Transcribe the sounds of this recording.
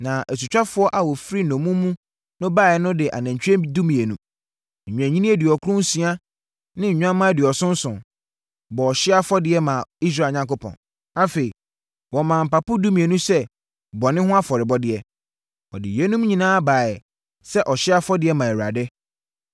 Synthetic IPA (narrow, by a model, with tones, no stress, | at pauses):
nã˨ʔæ˨su˨t͡ɕᶣa˦fʊ˦ɔ˦ʔa˨wɔ˨fɾi˦nɔ̃˨mũ˦mũ˦ | nʊ̃˦baː˦˨ɛ˨˦nʊ̃˦dɪ˨ʔa̰˨nã˨ɲt͡ɕʰᶣɛ̃˦du˦mĩ˨e˨nũ˦ | ɲ̩˨ɲᶣ˨æ̃˨ɲĩ˦nĩ˦e˦dɪ˨ɔ˨kʰʊ˦ɾũ˦n˦sĩ˦a˦ | nɪ̃˦ɲ̩˨ɲᶣ˦ã˦mã˦˨dɪ˨ɔ˨sʊ̃˦n̩˦sʊ̃˨ | bɔ˨ɔ˨ɕɪ˦a˦fɔ˦dɪ˨˦ɛ˦mã˨i˦s̬ɾa˦˨ɲã˦ŋko˦pʰɔ̰̃˨n | a˦fe˨i˨ | wɔ˨mãː˨m̩˨pa˨pʊ˦du˦mĩ˨e˨nũ˦sɛ˦ | bɔ˨nɪ̃˦hʊ̃˦a˦fɔ˨ɾɪ˨bɔ˦dɪ˦ɛ˦ | ɔ̰˨dɪ̰˨jɛ˦nũ˦m˦ɲĩ˨nãː˦baː˨ɛ˨ | sɛ˦ʔɔ˨ɕɪ˦a˦fɔ˦dɪ˨ɛ˦mã˨ɛ˨wɾa˨dɛ˦